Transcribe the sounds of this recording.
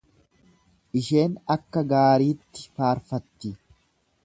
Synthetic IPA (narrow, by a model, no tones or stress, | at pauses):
ʔɪʃe̞ːnɐkːɐɡaːɾiːt̪ːɪ̥faːɾfɐt̪ːɪ